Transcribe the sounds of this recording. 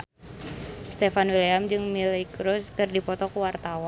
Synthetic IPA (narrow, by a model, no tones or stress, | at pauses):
st̪efanwiliamd͡ʒɨŋmilikɾuskɨrdipɔt̪ɔkuwart̪awa